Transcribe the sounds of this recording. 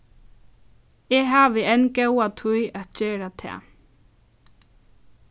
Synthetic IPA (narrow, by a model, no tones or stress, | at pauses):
ɛːɦaːʋɪɛnɡɛwat̪ʰʊjæt̪̚t͡ʃeːɾat̪ʰɛ̰ː